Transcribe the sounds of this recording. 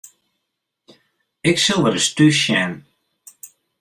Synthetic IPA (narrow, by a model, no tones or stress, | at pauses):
ɪksɪlˠʋəɾəstyʃɛn